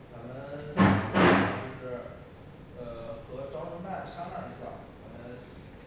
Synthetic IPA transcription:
t͡sa˧˥mə˨nn˥ | t͡ɕʊʂɻ̩˥˩ | ə˧˩xɤ˧˥ʈ͡ʂɑ˥ʊə˥pa˥˩nʂɑ˥ŋla˥˩i˧˥ɕjɑ˥˩ʊt͡sa˧˩˥mə˧ns

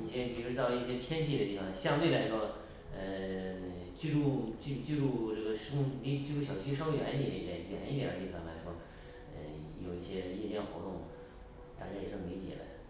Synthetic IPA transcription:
ni˨˩ɛ˥pi˨˩ɻu˧˥ʂɻ̩˥t̪ɑ˥˧ʊlə˧i˥˩ɕjɛ˥pʰjɛ˥nt̪ʰi˥˩d̪ə˩t̪i˥˩fɑ˥˩ŋɕjɑ˥˧ŋt̪we˥˩ɪla˧˥ɪʂwɔ˥ | ə˧ | t͡ɕy˥˧ʈ͡ʂu˥˧t͡ɕy˥˧t͡ɕy˥˧ɻu˥˧ʈ͡ʂɤ˥˩ɡə˩ʂo˥li˧˥˩t͡ɕy˥˧ɻu˥˩ɕjɑ˨˩t͡ɕʰy˥ʂ̬ɥɛ̰˧˥ni˧˩ə˧˥˩d̪jɛ̰˨˩ɥɛ̰˨˩˦ni˥˩jɛ̰˨˩ə˞˧˥i˥˩fɑ˥˩ŋla̰˧˥ɪʂwɔ˥ | ə̰˧˩jo˨˩ʊi˥˩ɕjɛ˥jɛ˥˧t͡ɕjɛ˥˩nxwɔ̰˧˥t̪ʊ˥˩ŋm̰˨˩ | t̪a˥˩t͡ɕja˧˥jɛ˨˩ʂɤ˥˩˧li˧˥t͡ɕjɛ̰˨˩d̪ə̰˦

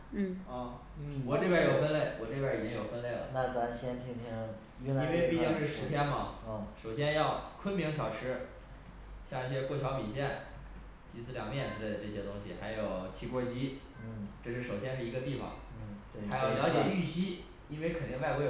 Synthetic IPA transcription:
ɔ˥˩ | wɔ˨˩le˥˧pja˥˧˩jo˨˩ʊfə˥nle˥˩ɪwʔɔ˨˩ʈ͡ʂe˥˧pja˥˩˨jo˨˩ʊfə˥nle˥˩ɪlə̰˩na˥˩t͡sa˧˥ɕjɛ˥nt̪ʰi˥ŋt̪ʰi˥ŋ | y˧˥i˥nwe˥˧ɪpi˥˧i˥ŋʂɻ̩˥˩ʂɻ̩˧˥t̪ʰjɛ˥nmɐ˨˧˩ʂo˨˩ʊɕjɛ˥njɑ˥˩ʊkʰwə˥nmi˧˥ŋɕʰjɑ˨˩ʊʈ͡ʂʰɻ̩˥ | ɕjɑ˥˧ŋi˥˩ɕjɛ˥kwɔ˥˩t͡ɕʰjɑ˧˥ʊpi˨˩ɕjɛ˥˩n | t͡ɕi˧˥t͡sʰɹ̩˥˩ljɑ˨˩ŋ˥jɛ˥˩nt͡sɹ̩˧˩ʈ͡ʂɤ˥˩ɕjɛ˥t̪ʊ˥ŋɕḭ˨˩xa˧˥ɪjo˨˩ʊt͡ɕʰi˧˥kwɔ˥˩t͡ɕi˥˩ | ʈ͡ʂɤ˥˧ʂɻ̩˥˩ʂo˨˩ʊɕjɛ˥nʂɻ̩˥˩i˧˥ɡə˧t̪i˥˩fɑ̰˨˩ŋ˩˧˩ | a˥ɪjo˨˩ʊljɑ˧˥ʊt͡ɕjɛ˨˩y˥˩ɕi˥ | i˥nwe˥˧ɪkʰə˨˩ni˥˧ŋ˧wa˥˧ɪkwɔ˧˥

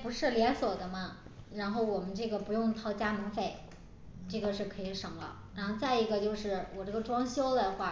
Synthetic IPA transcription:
pu˧˥ʂɻ̩˥˩ljɛ˧˥nswɔ˨˩d̪ə˦mɐ˧ | ɻa˧˥nxo˥˩ʊwɔ˨˩mə˦nʈ͡ʂɤ˥˩ɡə˩pu˧˥jʊ˥˧ŋt̪ʰɑ˥˩ʊt͡ɕja˥mə˧˥ŋfe˥˩ɪ | ʈ͡ʂɤ˥˩ɡə˩ʂɻ̩˥˩kʰɤ˧˥i˧˩ʂɤ˨˩ŋlə̰˧ɻa˧˥nxo˥˧t͡sa˥˩ɪi˧˥ɡə˧t͡ɕjo˥˧ʊʂɻ̩˥˩wʔɔ˨˩ʈ͡ʂɤ˥˩ɡə˩ʈ͡ʂwɑ˥ŋɕjo˥ʊd̪ə˨xwa˥˩

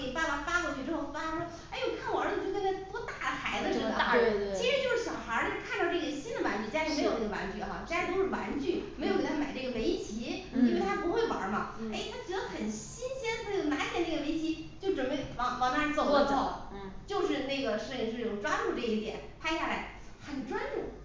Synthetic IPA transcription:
e˨˩pa˥˩ma˨˩fa˥kwɔ˥˧t͡ɕʰy˥˩ʈ͡ʂɻ̩˥xo˥˧ʊ˥a˥˩t̪ʰa˥ʂwɔ˥ | e˥˩ɪwɔ˨˩kʰa˥˩nwɔ˨˩ə˞˧˥˧t͡ɕʰt̪ʰa˥˩t̪wɔ˥t̪a˥˩xʰa˧˥ɪlə˧ʂi˥˩˨t͡ɕʰi˧˥ʂɻ̩˧˥t͡ɕjo˥˧ʊʂɻ̩˥˩ɕjɑ˨˩ʊxə˞˧˥n˥˧kʰa˥˩nd̪ɑ˥˧ʊʈ͡ʂɤ˥˩ɡə˩ɕi˥nd̪ə˨wa˧˥nt͡ɕy˥˧˩t͡ɕ̩˥˩me˧˥ɪo˨ʊe˥˩ə˧wa̰˧˥nt͡ɕy̰˥˩xa̰˥˧ʈ͡ʂi˥a˥˧˩t̪o˥ʊʂɻ̩˥˩wa˧˥nt͡ɕy˥˩me˧˥ɪo˨˧˥kt̪ʰa˥ma˨˩ɪʈ͡ʂɤ˥˩ɡə˩me˧˥ɪt͡ɕʰi˧˥i˥nwe˥˩ɪa˥pu˧˥xwe˥˩ɪwɐ̰˞˧˥mɐ˧e˥˩ɪt̪ʰa˥t͡ɕɥɛ˧˥d̪ə˧xə˨˩nɕi˥nɕɛ˥n˧n˥˩ɡə˩na˧˥nt̪ɛ˨˥˩na˥˩ə˩me˧˥ɪt͡ɕʰi˧˥t͡ɕjo˥˩ʊʈ͡ʂə˨˩npe˥˩ɪwɑ˧˥ŋwɑ˧˥ŋna˥˩˧o˨˧˩o˥˩ʊt͡ɕjo˥˧ʊʂɻ̩˥˧ne˥˩ɡə˩ʂɻ̩˥˩i˧ŋʂɻ̩˥˧˥ʈ͡ʂʊ˨˩ŋʈ͡ʂwa˥nʈ͡ʂu˥˩ʈ͡ʂɤ˥˩ə˧i˥˩t̪jɛ̰˨˩˦npʰa˥ɪɕja˥˩la̰˧˥ɪ | xə˨˩nʈ͡ʂwa˥ntu˥˩

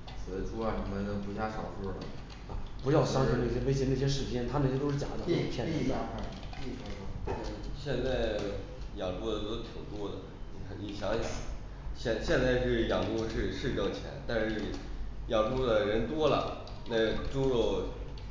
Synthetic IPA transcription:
s̩˨˧˩ʈ͡ʂʰu˥a˥˩nə˧˩m˧˥nə˧˥˩pu˧˥ɕja˥˩ʂɑ˨˩ʊfu˥˩lə̰˨˩˧ | pu˧˥jɑ˥˩ʊɕɑ˥ŋ̩˥˧na˥˩ɕjɛ˥we˥ɪt͡ɕ̬ɛ˥ne˥˩ɕ̬jɛ˥ʂɻ̩˧˥˩t͡ɕʰjɛ˥nt̪ʰa˥nə˥˩ɕjɛ˥o˥ʊʂɻ̩˥˩t͡ɕja̰˨˩˦d̪ə˦xpʰɛ˥˩i˥˧a˥˧kʰa˥˩i˥˩a˥a˧˥˩ɕjɛ˥˧nt͡sa˥˩ɪ | jɑ˨˩ŋpu˥˩d̪ə˨˩o˥ʊʂɻ̩˥˧t̪ʰi˨˩ŋt̪wɔ˥d̪ə̰˨˩ni˧˩˧ni˧˩ɕjɑ˧˥ŋɕjɑ̰˨˩˦ŋ | ɕjɛ˥˧nɕjɛ˥˧nt͡sa˥˧ɪʂɻ̩˥˩jɑ˨˩pu˥˧ʂɻ̩˥˧ʂɻ̩˥˧ʈ͡ʂɑ˥˩ŋt͡ɕʰjɛ̰˧˥nt̪a˥˧nʂɻ̩˥˩jɑ˨˩pu˥˩d̪ə˩ɻə˧˥nt̪wɔ˥lə̰˨˩ | na˥˩ʈ͡ʂu˥ɻo˥˩ʊ

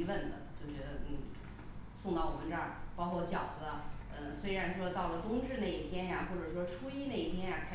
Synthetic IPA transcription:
wə˥˩nd̪ə̰˩t͡ɕjo˥˩ʊʂ̩˥˩˧n̩˥˩ | sʊ˥˧ŋt̪ɑ˥˩ʊwɔ˨˩mə˧˦nʈ͡ʂə˥˩pɑ˥ʊkʰwɔ˥˩t͡ɕjɑ˨˩ʊd̪ə˦a˧ | ə˧swe˥ɪɻa˧˥nʂwɔ˥t̪ɑ˥˩ʊlə˩t̪ʊ˥ŋʈ͡ʂɻ̩˥˧ne˥˩ɪi˥˩t̪ʰjɛ˥nja˨xwɔ˥˩ʈ͡ʂɤ˨˩ʂwɔ˥ʈ͡ʂʰu˥i˥ne˥˩ɪi˥˩t̪ʰjɛ˥nja˨˩kʰa˥

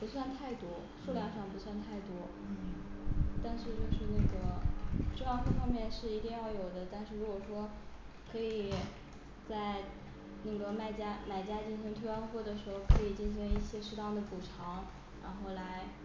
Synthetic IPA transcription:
pu˧˥swa˥˧nt̪ʰa˥˩ɪt̪wɔ˥ | ʂu˥˧ljɑ˥˧ŋʂɑ˥˩ŋpu˧˥swa˥˧nt̪ʰa˥˩ɪt̪wɔ˥ | t̪a˥˧nʂɻ̩˥˧t͡ɕjo˥˧ʂɻ̩˥˧na˥˩ɡə˩ʈ͡ʂɤ˥˧ɑ˥˧xu˥˩fɑ˥ŋmjɛ˥˧nʂɻ̩˥˩i˧˥t̪i˥˧ŋjɑ˥˩ʊjo˨˩ʊd̪ə˦t̪a˥˧nʂɻ̩˥˩ɻu˧˥kwɔ˨˩ʂwɔ˥kʰɤ˧˥i˨˩ | t͡sa˥˧ɪ | na˥˩ɡə˩ma˥˩ɪt͡ɕja˥ma˨˩ɪt͡ɕja˥t͡ɕi˥˩nʂʰɤ˧˥ŋt̪ʰwe˥ɑ˥˧nxwɔ˥˩d̪ə˩ʂɻ̩˧˥xo˥˧ʊkʰɤ˧˥i˨˩t͡ɕi˥ŋɕɛ˧˥ŋi˥˩ɕjɛ˥ʂɻ̩˥t̪ɑ˥˩ŋd̪ə˩pku˨˩ʈ͡ʂʰɑ˧˥ŋ | ɻa̰˧˥nxo˥˩ʊla˧˥ɪ

